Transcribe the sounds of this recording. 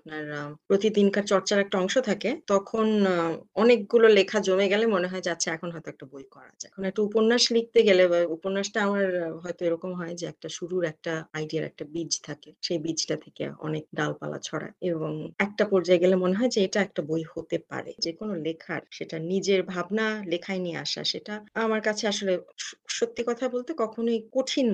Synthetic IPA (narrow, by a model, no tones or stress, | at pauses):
ap̚naɾpɾot̪id̪inkaɾt͡ɕɔɾt͡ɕaɾɛk̚ʈaɔŋʃot̪ʰaket̪ɔkʰonɔnek̚ɡulolekʰad͡ʑomeɡɛlemoneɦɔed͡ʑatːɕʰeɛkʰonɦɔet̪oɛk̚ʈabojkɔɾa̰d͡ʑa̰ekʰonɛk̚ʈaupoɾnaʃlik̚t̪eɡelebaupoɾnaʃʈaamaɾɦɔet̪oeɾɔkomɦɔed͡ʑeɛ̰k̚ʈaʃuɾuɾɛk̚ʈaajɖiaɾɛ̰k̚ʈabid͡ʑt̪ʰakeʃejbid͡ʑʈat̪ʰe̥kḛɔ̰nek̚ɖalpa̰la̰t͡ɕʰɔɽa̰eeboŋɛk̚ʈapɔɾd͡ʑaeɡelemoneɦɔed͡ʑeeʈaɛk̚ʈabojhot̪epa̰ɾḛd͡ʑekonolekʰa̰ɾʃeʈanid͡ʑeɾbʱabnalekʰaeniea̰ʃa̰ʃeʈaamaɾkat͡ɕʰeaʃoleʃot̪ːikɔt̪ʰabolt̪ekɔkʰonoikoʈʰin